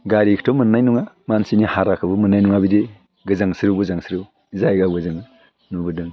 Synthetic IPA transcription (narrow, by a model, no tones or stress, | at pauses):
ɡaɾikʰtʰɔmənːajnuŋamansinihaɾakʰɯbumɯnːajnuŋabide | ɡɯzaŋsiɾuɡɯzaŋsiɾu | zajɡaɡɯzɯŋ | nubɯdɯŋ